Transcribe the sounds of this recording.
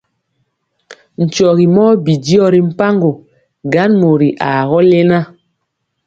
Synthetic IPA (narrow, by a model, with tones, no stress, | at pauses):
n̩˨t͡ʃɔ˨ɣi˨mɔː˦bi˨di˦ɔ˦ɾi˨m̩˦pa˦ŋɡo˨ | ɡa˨˦nmo˨ɾi˨ʔa˨ɣɔ˦le˦na˦